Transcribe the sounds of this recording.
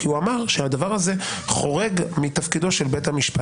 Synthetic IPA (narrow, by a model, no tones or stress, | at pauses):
kiuamaʁʃeadavaʁaze̞χo̞ʁe̞ɡmit̪afkido̞ʃelbe̞thamiʃpa